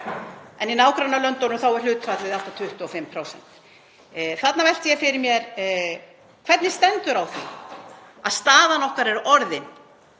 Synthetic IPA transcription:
ɛninaːwkɾanalœnt̪ownʏmθawɛɾ̥lʏːt̪fat̪lɪðɪaft̪at̪ʰʏht̪ʏɔfɪmːpʰɾowsɛ̰n̥t̪ | θat̪navɛl̥t̪ɪjɛfɪɾɪɾmjɛɾ | kʰvɛt̪nɪst̪ɛnt̪ʏɾawθi | aðst̪aːðanɔhkaɾɛɾɔɾðɪn

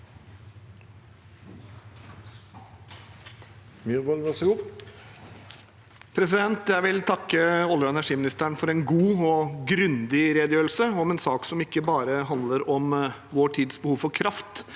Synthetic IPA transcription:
miʋɔlʋɑsəɡuː | pʰɾɛsɪd̪ɛnt̪jæɪʋɪlt̪ʰɑkːəɔlːɾəɛnæʂiːmɪnɪst̪əæɳfɔɾɛnɡuːɔɡɾʉnd̪ɪɾeːd̪jøːɾl̩səɔmɛnsɑːksɔmɪkːəbɑːɾəɦɑnd̪ləɾɔmʋoːʈʰiːd̪sbəhuːʋfɔɾkʰɾʔɑft̪

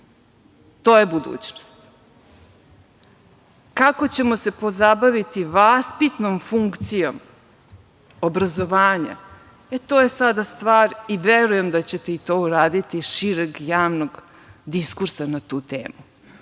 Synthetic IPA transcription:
t̪oːjebud̪ṵːt͡ɕno̥st̪ | kako̞t͡ɕe̞mose̞po̞zabaʋit̪iʋaspit̪nomfuŋkt̪sijo̞m | obɾazo̞ʋaːɲa̰ | et̪oːjesad̪ast̪ʋaːɾiʋeɾujemd̪at͡ɕet̪eit̪o̞ːuɾaːd̪it̪iʃiɾeɡjaːʋno̞ɡ | d̪iskuɾsanat̪uːt̪ḛːmu

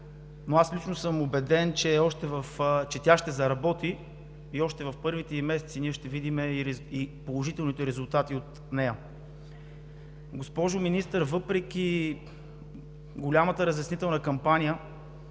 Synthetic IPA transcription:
noaslit͡ʃnosɤmobɛd̪ɛnt͡ʃɛɔʃt̪ɛvɐft͡ʃɛt̪ʲaʃt̪ɛzɐɾɐbɔt̪iː | ɔʃt̪ɛvɐfpɤɾvit̪ɛimɛsɛt̪siniɛʃt̪ɛvid̪imɛiɾipolˠoʒit̪ɛlˠnit̪ɛɾɛzʊlˠt̪at̪iot̪ | nɛjə | ɡospɔʒʊminist̪əɾvɤpɾɛk̟ʲi | ɡolʲamət̪əɾəzjɐsnit̪ɛlˠnəkɐmpanʲijə

